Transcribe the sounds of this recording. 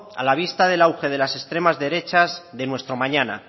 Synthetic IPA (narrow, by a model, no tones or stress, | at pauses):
a̰laβ̞ist̪aðe̞lawxe̞ð̞e̞lase̞st̪ɾe̞mazðe̞ɾe̞t͡ʃazðe̞nwe̞st̪ɾo̞mãɲana̰